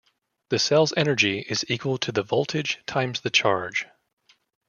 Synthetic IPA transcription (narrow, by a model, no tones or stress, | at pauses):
ðɨsɛlˠzɛnə˞d͡ʒiʔɪzikʰwəl̩ˠtʰɨðɨvɔlˠtʰɨd̥ʒ̥tʰãɪ̃mzðɨt͡ʃʰɑɹd̥ʒ̥